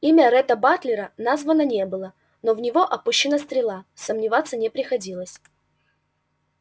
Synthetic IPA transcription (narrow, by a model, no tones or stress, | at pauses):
imʲəɾɛt̪əbat̪lʲɪɾənazvənənʲe̞bɨlˠə | novnʲɪvo̞ʔɐpuɕːɪnəst̪ɾʲɪlˠasəmnʲɪvat̪sːənʲɪpɾʲɪxɐdʲilˠəsʲ